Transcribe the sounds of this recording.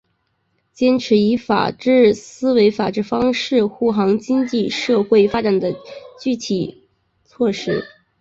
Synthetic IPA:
t͡ɕjɛ˥nʈ͡ʂʰɻ̩˧˥i˧˥fa̰˨˩ʈ͡ʂɻ̩˥˩sɹ̩˥we˧˥ɪfa˨˩ʈ͡ʂɻ̩˥˩fɑ˥ŋʂɻ̩˥˧xu˥˩xɑ˧˥ŋt͡ɕi˥ŋt͡ɕi˥˧ʂɤ˥˧xwe˥˩ɪfa˥ʈ͡ʂa˨˩nd̪ə˦t͡ɕy˥˩t̪ʰi˨˩ | t͡sʰwɔ˥˩ʂɻ̩˥

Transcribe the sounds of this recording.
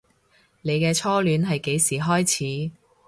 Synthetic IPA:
ne˨˧jkɛː˧t͡sʰɔː˥lyː˨˧nɦɐ˨jke˨˧jsiː˨˩ɦɔː˥jt͡sʰiː˨˥

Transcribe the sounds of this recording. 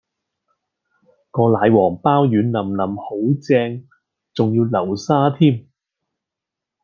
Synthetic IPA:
ŋkɔː˧laː˨˧jwɔː˨˩ŋpaː˥wjyː˨˥nlɐ˨˩mnɐ˨˩mho˨˥wt͡sɛː˧ŋ | t͡sʊ˨ŋjiː˧wlɐ˨˩wsaː˥t̪ʰiː˥m

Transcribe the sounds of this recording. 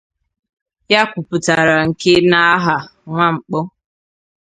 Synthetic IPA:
ja˦kʷu˨pu˨ta˨ɾa˨ŋ̩˨ke˦na˦a˦ɦa˨ŋʷa˦ŋ͡m̩˨k͡pɔ˦

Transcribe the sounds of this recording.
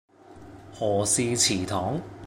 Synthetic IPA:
hɔː˨˩siː˧t͡sʰiː˨˩t̪ʰɔː˨˥ŋ

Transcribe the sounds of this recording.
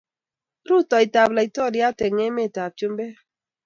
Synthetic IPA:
ɾu˦˨tɔ˨i˨ta˨bla˨i˨tɔ˦˨di˦a˦˨te˨ŋe˦me˦˨ta˨b̚t͡ʃo˦m˦be˦

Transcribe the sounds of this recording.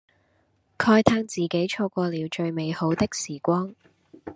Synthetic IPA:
kʰɔː˧jt̪ʰaː˥ŋt͡siː˨˩ke˨˥jt͡ʃʰɔː˧kʷɔː˧liː˨˧wt͡ʃɵ˧ɥme˨˧jho˨˥wt̪ɪ˥k̚siː˨˩kʷɔː˥ŋ

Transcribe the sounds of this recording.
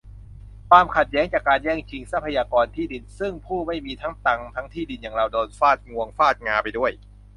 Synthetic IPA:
kʰwaː˧mkʰa˨˩t̪̚jɛː˦˥ŋt͡ɕaː˨˩kːaː˧njɛː˥˩ŋt͡ɕʰi˧˥ŋsa˦˥pʰːa˧jaː˧kɔː˧nt̪ʰiː˥˩di˧nsɯ˥˩ŋpʰuː˥˩ma˥˩jmiː˧t̪ʰa˦˥ŋt̪a˧ŋt̪ʰa˦˥ŋt̪ʰiː˥˩di˧njaː˨˩ŋɾa˧wdoː˧nfaː˥˩t̪̚ŋu˧əŋfaː˥˩t̪̚ŋaː˧pa˧jdu˥˩əj

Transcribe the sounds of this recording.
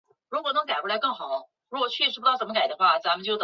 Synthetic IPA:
ɻu˧˥kwɔ˨˩nɤ˧˥ŋka˨ɪkʰwla˧˥ɪkɤ˥˩ŋxɑ˨˩˦ | ɻu˧˥wɔ˨˩t͡ɕʰy˥˩ʂ̩ɻ̩˧˥˩t̪ɑ˥˩ʊʂmə˧ka˨˩ɪd̪ə˦xwa˥˩t͡sa˧˥mə˧nt͡ɕjo˥˩ʊt̪

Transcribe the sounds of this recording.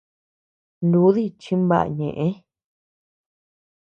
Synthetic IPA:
nd̪u˧˦ði˦t͡ʃĩ˦mba̰˦˨a̰˧˨ɲẽ˨ʔẽ˦

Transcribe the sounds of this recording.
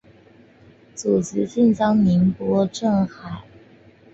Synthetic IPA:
t͡su˨˩t͡s̩˧˥ɕi˥˧nt͡sɑ˥ŋni˧˥npwɔ˥ʈ͡ʂɤ˥˩ŋxa˨˩˦ɪ

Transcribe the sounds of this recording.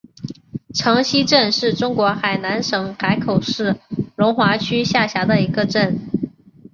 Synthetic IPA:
ʈ͡ʂʰɑ˧˥ŋɕi˥ʈ͡ʂə˥˧nʂɻ̩˥˩ʈ͡ʂʊ˥ŋkwɔ˧˥xa˨˩ɪna˧˥nʂɤ˧˥ŋxa˧˥ɪkʰo˨˩ʊʂɻ̩˥˩lʊ˧˥ŋxwa˧˥t͡ɕʰy˥ɕja˥˩ɕja˧˥d̪ə˧i˧˥ɡə˧ʈ͡ʂə˥˩n

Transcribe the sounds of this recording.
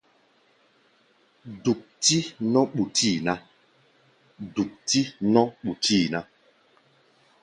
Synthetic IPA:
du˨k̚ti˦nɔ̃˦ɓu˨tʰi˦˨na˦ | du˨k̚ti˦nɔ̃˦ɓu˨ti˦˨na˦

